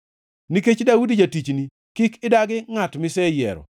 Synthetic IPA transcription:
niket͡ʃdaudid͡ʒatit͡ʃni | kɪkɪdaɡɪŋatmɪsɛjɛ̰ɾɔ̰

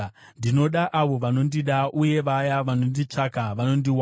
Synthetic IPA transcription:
ndino̞ɗaʔaʋo̞ʋano̞ndiɗaʔuje̞ʋajaʋano̞ndit͡ʂakaʋano̞ndiwa

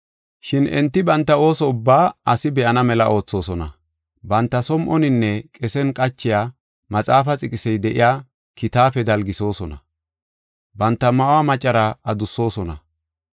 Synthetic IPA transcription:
ʃɪnɛ̰nt̪ːɪbɐnt̪ːɐo̞ːsɔʊbːaːʔɐsɪbɛʔɐnɐmɛlɐʔo̞ːt͡sːo̞ːsɔnɐ̰ | bɐnt̪ːɐsɔmʔɔnɪnːɛkʼɛsɛnkʼɐt͡ʃːɪjaː | mɐt͡sʼaːfɐt͡sʼɪkʼɪsɛjd̪ɛʔɪ̰jaː | kɪt̪aːfɛd̪ɐlɡɪso̞ːsɔnɐ | bɐnt̪ːɐmɐwaːmɐt͡ʃʼːɐɾaɐd̪ʊsːo̞ːsɔnɐ̰

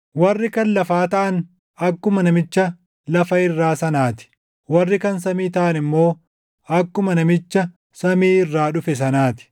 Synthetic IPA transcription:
wɐrːɪkɐnlɐfaːt̪ɐʔɐn | ɐkːʊmɐnɐmɪt͡ʃːɐ | lɐfɐɪrːaːsɐnaːt̪ɪ̥ | wɐrːɪkɐns̬ɐmiːt̪ɐʔɐnɪmːo̞ː | ɐkːʊmɐnɐmɪt͡ʃːɐ | sɐmiːɪrːaːᶑʊfɛs̬ɐnaːt̪ɪ̥

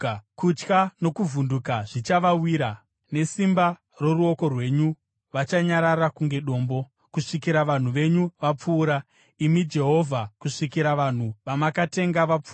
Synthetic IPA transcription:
kut͡ʃkano̞kuvundukaʐ̥it͡ʃaʋawiːɾa | ne̞simba | roruo̞ko̞rwe̞ːɲu | ʋat͡ʃaɲaɾarakuŋɡe̞ɗo̞ːmbo̞ | kuʂikiɾaʋan̤uʋe̞ɲuʋap͡fuːɾa | imid͡ʒe̞ɦo̞vʱakuʂikiɾaʋan̤uʋamakate̞ŋɡaʋap͡fuː

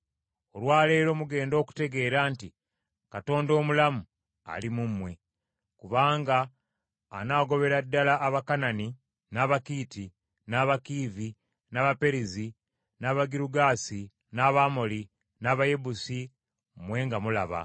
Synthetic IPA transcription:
olwaːle̞ːɾo̞muɡe̞ːndo̞ːku̥te̞ɡe̞ːɾaːnti | kato̞ːndo̞ːmulamu | a̰limumwe̞ | kuβaːŋɡaː | naːɡo̞βe̞ɾadːalaʔːβakanani | naβakiːti | naːβakiːvi | naβape̞ɾizi | naːβaɡiɾuɡaːsi | naːβamoli | naːβaje̞busi | mwe̞ːŋɡamula̰βa̰

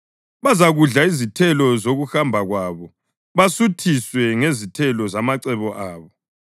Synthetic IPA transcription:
βazaɣuɮaizitʰɛlɔzoɣuxambʱaɣwaβɔ | βasutʰiswɛŋezitʰɛlɔzamaǀɛβɔʔaːβɔ

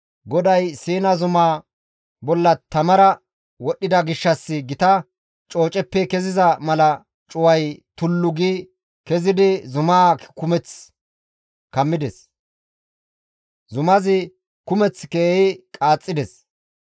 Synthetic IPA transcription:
ɡɔd̪ɐjsiːnɐzʊmaː | bɔlːɐt̪ɐmɐɾɐ | wɔɗːɪd̪ɐɡɪʃːɐsːɪɡɪt̪ɐ | t͡ʃʼo̞ːt͡ʃʼɛpːɛkɛzɪzɐmɐlɐ | t͡ʃʼʊwɐjt̪ʊlːʊɡi | kɛzɪd̪ɪzʊmaːkʊmɛt͡s | kɐmːɪd̪ɛs | zʊmɐzɪ | kʊmɛt͡skeːjɪkʼaːt͡sʼːɪd̪ɛs

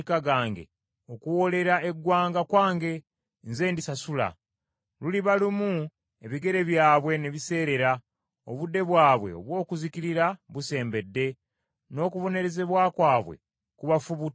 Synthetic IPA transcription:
kaɡaːŋɡe̞̰ | o̞kuwo̞le̞ɾae̞ɡːwaːŋɡakwaːŋɡe̞ | nze̞ːndisasula̰ | luliβalimu | eβiɡe̞ɾe̞βjaːβwe̞ne̞βise̞ːɾe̞ɾa | o̞̰βudːe̞βwaːβwḛo̞̰βwo̞ːkuzikiɾiɾaβuse̞ːmbe̞dːe̞ | no̞ːkuβo̞ne̞ɾe̞ze̞βwaːkwaːβwe̞̰ | kuβafuβu

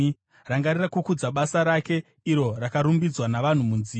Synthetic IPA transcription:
raŋɡarirakukud͡zaɓasaɾake̞ | iɾo̞rakaɾumbid͡zwanaʋan̤umunzi

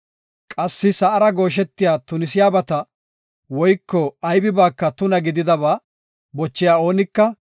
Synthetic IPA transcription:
kʼɐsːɪsɐʔɐɾɐɡo̞ːʃ̬ɛt̪ːɪjaːt̪ʊnɪsɪjaːbɐt̪ɐ | wɔjkːɔɐjbɪbaːkːɐt̪ʊnɐɡɪd̪ɪd̪ɐβaː | bɔt͡ʃːɪjaːo̞ːnɪkːɐ

